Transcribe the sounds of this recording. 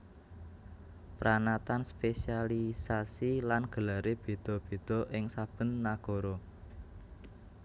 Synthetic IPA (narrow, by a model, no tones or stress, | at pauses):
pɾanat̪anspesialisasilanɡ̥ə̤laɾeb̥e̤d̪̥ɔ̤b̥e̤d̪̥ɔ̤ʔɪŋsab̥ə̤nːaɡ̥ɔ̤ɾɔ